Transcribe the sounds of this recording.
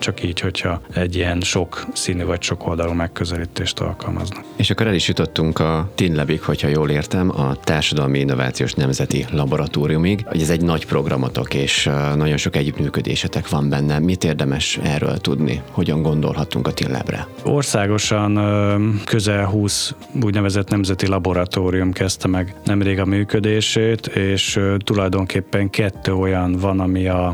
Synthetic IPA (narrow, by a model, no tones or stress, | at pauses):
t͡ʃɒkiːcho̞cʰhɒɛɟːiɛnʃo̞ksiːnyvɒcʃo̞kʰo̞ld̪ɒluːmɛkːøzɛliːt̪eːʃt̪ɒ̰lkɒlmɒ̰znɒkeːʃɒkːo̞ɾɛliʃjut̪o̞t̪ːuŋkɒt̪inlɛbikho̞chɒjoːleːrt̪ɛmɒt̪aːrʃɒd̪ɒlmiinːova̰ːt̪sioːʃnɛmzɛt̪ilɒbo̞ɾɒt̪oːɾijumiɡɒ̰ɟɛzɛɟnɒɟpro̞ɡrɒmo̞t̪o̞keːʃnɒɟo̞nʃo̞kɛɟːyt̪myːkød̪ḛːʃɛt̪ɛkʋɒmbɛnːɛmit̪eːrd̪ɛmɛʃɛrːø̰lt̪ud̪nḭho̞ɟɒŋɡo̞nd̪o̞̰lɦɒt̪uŋkɒt̪ilːɛ̰brɛ̰ | o̰rsaːɡo̞ʃɒnkøzɛlɦuːs | uːɟnɛvɛzɛt̪nɛmzɛt̪ilɒbo̞ɾɒt̪oːɾijumkɛst̪ɛmɛɡnʔɛmɾeːɡɒmyːkød̪eːʃeːt̪eːʃt̪ulɒjd̪o̞ŋkʰeːpːɛŋkɛt̪ːøːo̞jɒnvɒnɒmiɒ